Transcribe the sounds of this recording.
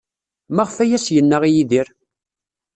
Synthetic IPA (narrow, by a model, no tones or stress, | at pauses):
mæʁfæjæsjənːəʁijiðiɾ